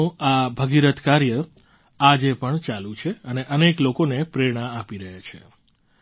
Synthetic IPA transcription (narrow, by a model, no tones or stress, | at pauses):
ũabʱəɡiɾət̪kaɾjə | ad͡ʒepəɳt͡ʃalũt͡ʃʰeəneʔəneklokonepɾeɾɽ̃aːpiɾəɦet͡ʃʰḛ